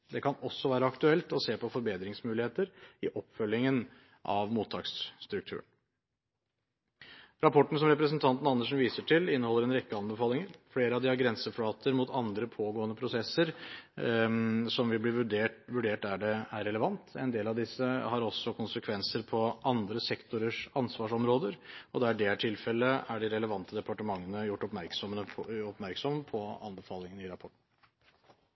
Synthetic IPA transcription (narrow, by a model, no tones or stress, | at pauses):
d̪ɛkʰɑnɔsːɔʋæːɾəɑkt̪ʉɛlt̪ɔseːpɔfɔɾbeːd̪ɾɪŋsmʉːlɪheːt̪əɾɪʔɔpːfœlːɪŋən | ʔɑ̰ʋmuːt̪ʰːɑ̰ːkst̪ɾʉk̚t̪ʰʉ̰ːɳ̩ | ɾɑpʰɔʈːn̩sɔmɾɛpɾəsnt̪ʰɑnt̪n̩ɑnːəʂnʋiːsəʈʰɪlɪnːəhɔlːəɾɛnɾɛkːəɑnbəfɑːlɪŋəɾfleːɾəɑʋd̪ɪɑɾɡɾɛnsəfɽɑːt̪ʰəɾmʊt̪ʰɑnd̪ɾəpʰoːɡoːənəpʰɾʊsɛsːəɾ | sɔmʋɪlb̪iːɖeːʋʉɖeːʈæɖɛæɾːɛləʋɑnt̪ɛ̰nd̪eːlɑʋd̪ɪsːəhɑɾɔsːɔkʰʊnsəkʰʋɛnsəɾpʰɔʔɑnd̪ɾəsɛkt̪ʊɾəʂɑnsʋɑːʂɔmɾoːd̪əɾɔd̪ɛæɖɛæʈʰɪlfɛlːəæɖɪɾɛləʋɑnt̪əd̪ɛpɑʈəmɑŋːənəjʊʈːɔpmæɾksɔmənəɔpmæɾksɔmpʰɔɑ̰nbəfɑːlɪŋənɪɾɑpʰɔʈːɳ̩